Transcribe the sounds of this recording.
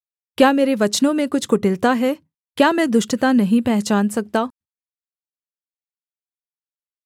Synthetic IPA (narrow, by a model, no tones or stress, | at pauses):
kjaːmeːɾeʋɐt͡ʃnõmẽkʊt͡ʃʰkʊʈɪlt̪aɦɛː | kjaːmɛ̃d̪ʊʃʈət̪anɐɦĩpɛɦt͡ʃaːnsɐk̚t̪aː